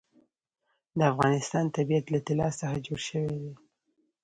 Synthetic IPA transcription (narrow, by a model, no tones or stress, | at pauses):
d̪əafɣɑnɪst̪ɑnt̪abijat̪lat̪ɪlɑsəxad͡ʒoɽʃəwed̪e